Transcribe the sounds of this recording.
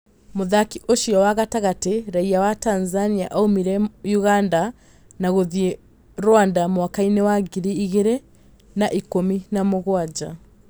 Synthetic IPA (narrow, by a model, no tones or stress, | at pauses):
moðakiʔoʃiɔwaɣataɣateɾaiawatanzaniaʔaumiɾɛjuɣanda | naɣoðie | ɾwandamwakainewaɡiɾiiɣeɾe | naʔikominamoɣwad͡ʒa